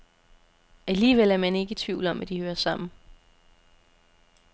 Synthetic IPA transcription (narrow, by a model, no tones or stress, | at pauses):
æliːʋel̰æɐmæne̝ɡ̥ət͡sʰʋiʊ̰l̩ɒ̽mʔæd̥ihøːɐsɑ̈m̰n̩